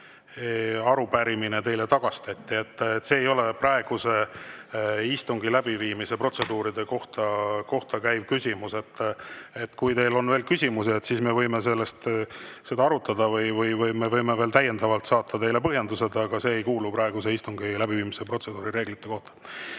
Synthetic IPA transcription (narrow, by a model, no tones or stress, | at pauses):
eɑɾupæɾiminet̪e̞jlet̪ɑɡ̥ɑst̪æt̪ʲːie̞t̪ːet̪ːse̞ːjo̞leprɑe̞ɡ̥use̞ | ist̪uŋɡilæb̥iviːmise̞pro̞t̪se̞d̪uːɾid̪e̞ko̞ht̪ɑko̞ht̪ɑkæjb̥̚kysʲimuse̞t̪ːe̞t̪ːˑkujt̪e̞jlo̞nveːlkysʲimuseet̪sisme̞vɤjme̞se̞lːest̪se̞d̪ɑɑɾut̪ːˑɑd̪ɑvɯjvɯjvɯjmevɤjme̞ve̞ːlt̪æjːe̞nd̪ɑvɑlt̪sɑːt̪ʰːɑt̪e̞jle̞pɤɦjend̪use̞d̪ɑɡ̥ɑse̞ːejkuːlupɾɑe̞ɡ̥use̞ist̪uŋɡilæbiviːmise̞pro̞t̪se̞d̪uːɾiɾe̞ːɡlit̪ːe̞ko̞ht̪ɑ̥